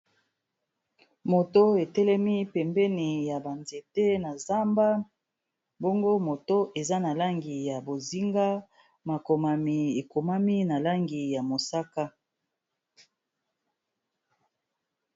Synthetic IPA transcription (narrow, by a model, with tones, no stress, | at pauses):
mo˨to˦e˨tɛ˦lɛ˦mi˦pɛ˨mbɛ˦ni˨ja˨ba˨nze˨tɛ˦na˨za˦mba˦ | bo˦ŋɡo˦mo˨to˦ʔe˨za˦na˨la˦ŋɡi˨ja˨bo˨zi˦ŋɡa˦ | ma˨ko˨ma˨mi˨e˨ko˨ma˦mi˦na˨la˦ŋɡi˨ja˨mo˨sa˦ka˦